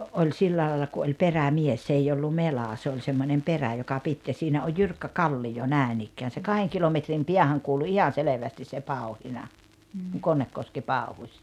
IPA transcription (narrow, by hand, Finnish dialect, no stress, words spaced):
olʲ silːæː lɑːlːɑ ku olʲ peræmies s eij olːu melɑˑ se olʲ semːonʲem peræ jokɑ pit jɑ siːnæ oj jyrkːæ kɑlːijo næˑenikːæːn̞ se kɑheŋ kilometrim piæhæŋ kuːlu ihɑn̞ seleʋæstis se pɑu̞hinɑ kuŋ konːekːoski pɑˑuhusʲ